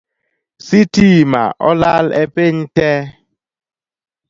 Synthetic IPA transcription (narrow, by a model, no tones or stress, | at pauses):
sitima̰ʔɔlalɛ̰peɲtɛ